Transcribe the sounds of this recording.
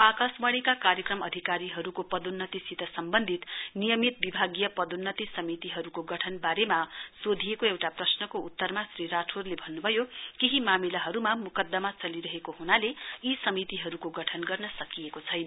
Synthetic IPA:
akasbʌɽikakaɾjʌkrʌmʌd̪ʱikaɾiɦʌɾukopʌd̪unːʌt̪isit̪ʌsʌmbʌnd̪ʱit̪nijʌmit̪̚bibʱaɡjʌpʌd̪unːʌt̪isʌmit̪iɦʌɾukoɡʌʈʰʌnbaɾemasod̪ʱijekoewʈaprʌsnʌkout̪ːʌrmasriɾaʈʰorlebʱʌnːubʱʌjokeɦimamilaɦʌɾumamukʌd̪ːʌmat͡sʌliɾʌɦekoɦunaleisʌmit̪iɦʌɾukoɡʌʈʰʌnɡʌrnʌsʌkijekot͡sʰʌjnʌ

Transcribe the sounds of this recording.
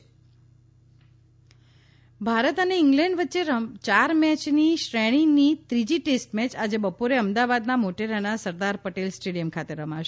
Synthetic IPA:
bʱaɾət̪əneɪŋɡlɛɳɖʋətːʃeɾət͡ʃaɾmɛt͡ʃniʃɾɛɽ̃init̪ɾid͡ʒiʈesʈmɛt͡ʃad͡ʒebəpoɾeəmd̪aʋad̪namoʈeɾanasəɾd̪aɾpəʈelsʈeɽijəmkʰat̪eɾəmaʃe

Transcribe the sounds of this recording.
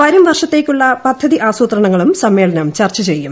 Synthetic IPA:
ʋɐɾumʋɐrʂɐt̪ːe̞ːkʲːuɭːɐpɐd̪ʱːɐðiʔaːsuːt̪rɐɳɐŋːɐɭumsɐmːe̞ːɭɐnɐmt͡ɕɐrt͡ɕːɐt͡ɕe̞jːum

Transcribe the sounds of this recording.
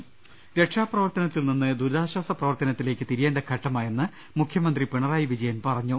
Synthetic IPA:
ɾe̞ʈʂaːprɐʋɐrt̪ɐnɐt̪ːilninːɨd̪uɾaːɕwaːsɐprɐʋɐrt̪ɐnɐt̪ːile̞ːkːɨt̪iɾijeːɳɖɐkʰɐʈːɐmaːje̞nːɨ | mukʰjɐmɐnd̪ripeɳɐraːjiʋid͡ʑɐjɐnpɐrɐɲːu

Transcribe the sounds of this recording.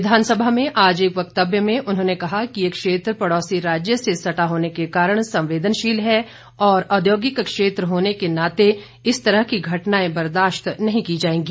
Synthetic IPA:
ʋɪd̪ʱaːnsəbʱamẽʔaːd͡ʒeːkʋɐk̚t̪əbjəmẽʔʊnɦõːnekɐɦakiekʃeːt̪ɾəpɐɽɔːsiɾaːd͡ʒjəsesɐʈaɦoːnekekaːɾəɽ̃sɐ̃mʋeːd̪ʱənʃiːlɦɛ | ɔːɾɔːd̪joːɡɪkkʃeːt̪ɾəɦoːnekenaːt̪e | ɪst̪ɐɾəɦkiɡʱɐʈnaːẽbɐɾd̪aːʃt̪nɐɦĩkid͡ʒaːẽːɡiː

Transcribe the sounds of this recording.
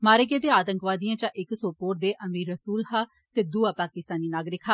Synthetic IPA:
maːɾeːɡeːd̪eːaːt̪əŋkʋaːd̪ijãːt͡ʃãːʔɪksoːpoːɾd̪eːʔəmiːɾəsuːlhaː | t̪eːd̪uaːpaːkɪst̪aːniːnaːɡɾɪkɦaː

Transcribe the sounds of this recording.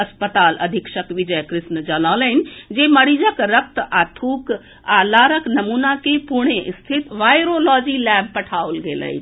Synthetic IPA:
ɐspət̪aːlɐ̰d̪ʱikʃəkʋid͡ʒəjkɾɪʃnəd͡ʒəlaːləɦnd͡ʒeːmɐɽid͡ʒəkɾək̚t̪aːt̪ʰuːk | aːlaːɾəknɐmuːnakepuɾɽ̃eʔst̪ʰit̪ʋaːjɾolɔːd͡ʒilɛːb̚pɐʈʰaːolɡeːlə̰it̪ʰ

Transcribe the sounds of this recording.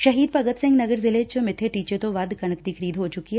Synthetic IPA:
ʃɐɦiːd̪̚pɐɡət̪sɪ̃ŋɡnɐɡəɾzɪleːt͡ʃomɪt̪ʰːeʈiːt͡ʃet̪oʋɐd̪kɐɳ̃əkd̪ikʰəɾiːd̪ɦot͡ʃʊkiɦɛ

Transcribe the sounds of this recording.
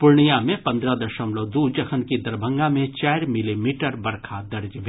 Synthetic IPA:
pʊɾɳijamẽpɐ̃nd̪ɾad̪ɐʃəmloːd̪ud͡ʒɐkʰənkid̪ɐɾbʱə̃ŋɡamẽt͡ʃaːɪɾmɪlimiːʈəɾbɐɾkʰad̪ɐɾd͡ʒbʱ

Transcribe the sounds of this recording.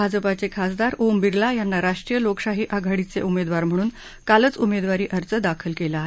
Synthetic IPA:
ad͡zəpat͡sekʰasd̪aɾombiɾlajanːaɾaʂʈɾijəlokɕaɦiːʔaɡʱaɽit͡sḛumed̪ʋaɾm̤əɽ̃uːn | kalət͡sumed̪ʋaɾiːʔəɾt͡səd̪akʰəlkelaaɦe

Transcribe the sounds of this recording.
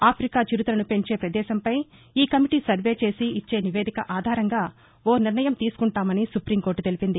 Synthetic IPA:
aːpʰɾikaːt͡ʃiɾit̪ulɐnupe̞ɲt͡ʃe̞ːpɾɐd̪ɛːʃɐmpɐj | iːkɐmiʈiːsɐɾʋe̞ːt͡ʃe̞ːsiit͡ʃːe̞ːniʋe̞ːd̪ikɐ̰ʔaːd̪ʱaːɾɐŋɡaː | oːniɾnɐjɐmt̪iːsu̥kuɳʈaːmɐnisupɾiːmko̞ːɾʈt̪e̞lipind̪i

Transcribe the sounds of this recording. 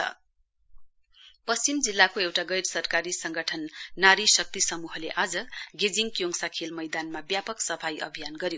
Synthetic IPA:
ʌ̰ | pʌst͡simd͡zilːakoewʈaɡʌjɾsʌrkaɾisʌŋɡʌʈʰʌnːaɾisʌk̚t̪isʌmuɦʌleʔad͡zʌɡed͡ziŋkjoŋsakʰelmʌjd̪anmabjapʌksʌpʰajʔʌ̰bʱijanɡʌɾjo

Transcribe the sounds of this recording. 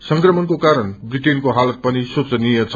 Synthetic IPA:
sʌŋkrʌmʌnkokaɾʌnbriʈenkoɦalʌt̪̚pʌnisot͡sʌnijʌt͡sʰ

